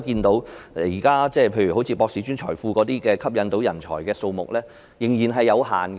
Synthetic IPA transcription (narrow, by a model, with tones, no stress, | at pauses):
kiː˧nt̪o˨˥wjiː˨˩kaː˥t͡sɛː˥˩pʰe˧jɥyː˨˩ɦo˨˥wt͡sʰiː˨˧pɔː˧ksi˨˧˥t͡ʃyː˥nt͡ʃʰɔ̰ː˨˩jfuː˧kɔː˨˧˥t̪iː˥kɛː˧kʰɐ˥p̚jɐ˨˧nt̪o˨˥wjɐ˨˩nt͡ʃʰɔ̰ː˨˩jkɛː˧so˧wmʊ˨k̚lɛː˥ | jɪ˨˩ŋjiː˨˩nɦɐ˨jːɐ˨˧wɦa̰ː˨˩n